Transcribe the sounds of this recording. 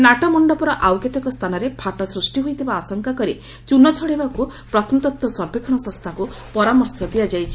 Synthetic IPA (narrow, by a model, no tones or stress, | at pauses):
naʈɔmɔɳɖɔpɔɾɔʔawket̪ɔkɔst̪ʰanɔɾepʰaʈɔsɾusʈiɦojt̪ʰibaːsɔŋkakɔɾi | t͡ʃunɔt͡ʃʰɔɽibakupɾɔt̪ʰmut̪ɔt̪wɔsɔɾpekʰɔɽ̃ɔsɔ̃st̪ʰakupɔɾamɔɾsɔd̪iad͡ʒajt͡ʃʰi